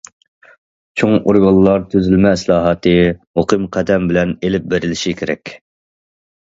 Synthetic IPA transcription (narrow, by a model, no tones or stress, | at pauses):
t͡ʃʰoŋoɾɡɑlˠːɑɾt̪ʰøzylmɛːslˠɑːɦɑt̪ʰɨmoqʰɨmqʰæd̪ɛmbɪlɛnelɪp̚beɾɪlɪʃikʲʰeɾɛkʲ